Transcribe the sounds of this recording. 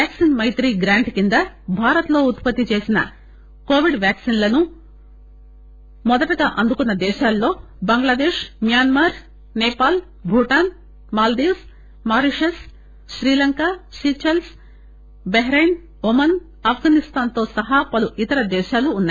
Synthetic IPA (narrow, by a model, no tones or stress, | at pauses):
jaːksinmɐjt̪ɾiːɡɾaːɳʈkind̪ɐ | bʱaːɾɐt̪lo̞ːut̪pɐt̪ːit͡ʃe̞ːsinɐ̰ | koːʋiɖʋjaːksinlɐnu | mɔd̪ɐʈɐɡaːʔɐnd̪ukunːɐd̪ɛːʃaːlːo̞ː | bɐŋɡlɐd̪eːʃmijaːnmaːɾ | nɛːpaːl | bʱuʈaːn | maːld̪iːws | maːɾiʂes | ʃɾiːlɐŋkaːʃiːt͡ʃɐls | beɦɾejn | umɐn | ɐpʰɡaːnist̪aːnt̪o̞ːsɐɦapɐluʔit̪ɐɾɐd̪ɛːʃaːluːnːaj